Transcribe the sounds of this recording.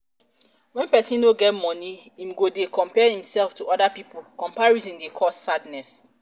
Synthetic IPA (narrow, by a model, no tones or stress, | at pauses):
wɛ̃npɛsĩnoɡɛt̚mɔ̃niĩmɡodekɔ̃mpɛhĩmsɛlftuʔɔdapipulkɔ̃mpaɹizĩndekʰɔsːadnɛs